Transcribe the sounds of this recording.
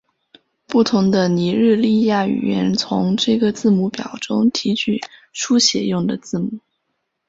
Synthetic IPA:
pu˥˩t̪ʰʊ˧˥ŋd̪ə˧ni˧˥ɻ̩˥˧li˥˧ja˥˩y̰˨˩ɥɛ̰˧˥nt͡sʰʊ̰˧˥ŋʈ͡ʂɤ˥˩ɡə˩t͡sɹ̩˥˩mu˧˥pjɑ˨˩ʊʈ͡ʂʊ˥ŋt̪ʰi˧˥t͡ɕʰy˥˩ʂʰu˥ɕjɛ̰˨˩jʊ˥˩ŋd̪ə˩t͡sɹ̩˥˩mu˨˩˦

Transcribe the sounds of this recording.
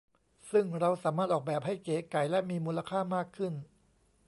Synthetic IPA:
sɯ˥˩ŋɾa˧wsaː˩˦maː˥˩t̪̚ʔɔː˨˩k̚bɛː˨˩p̚ha˥˩jkeː˨˩˦ka˨˩jlɛ˦˥miː˧muː˧la˧kʰaː˥˩maː˥˩kʰːɯ˥˩n

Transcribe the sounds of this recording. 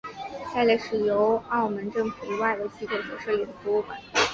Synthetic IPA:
t͡sa˥˧ɪla˥˩ʂɻ̩˥˩jo˧˥ʊɑ˥˩ʊmə˧˥nʈ͡ʂɤ˥˩ŋfu˨˩i˧˥wa˥˩ɪd̪ə˩t͡ɕi˥ko˥˩ʈ͡ʂʰu˧˩ʂ̩˥˩jɛ˨˩ŋfu˧˥u˥˩kə̰˨˩˦

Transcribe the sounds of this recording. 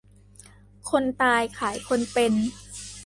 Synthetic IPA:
kʰo˧nt̪aː˧jkʰaː˩˦jkʰo˧npe˧n

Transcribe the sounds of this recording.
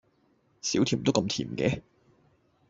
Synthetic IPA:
siː˨˥wt̪ʰi˨˩˨t̪kɐ˧mt̪ʰiː˨˩mkɛ̰ː˨˦

